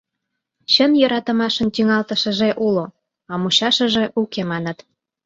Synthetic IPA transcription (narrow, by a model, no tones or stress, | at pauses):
ɕənjəɾɑt̪ə̆mɑʃənt̪yŋɑlt̪əʃəʒeʔulo | ɑmuɕɑʃəʒeʔukemɑnət̪